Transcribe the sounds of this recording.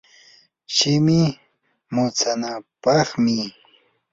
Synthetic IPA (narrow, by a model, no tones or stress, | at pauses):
ʃɪmɪ | mʊt͡sanapɑχmɪ